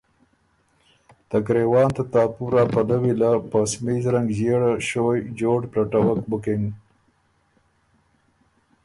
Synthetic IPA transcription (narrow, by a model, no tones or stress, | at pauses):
t̪akɾewɑːnt̪at̪ɑːpuɾɑːpalawilapəsmizɾaŋɡzeɽaʃojd͡ʒoːɖplaʈawakbʊkɪŋɡ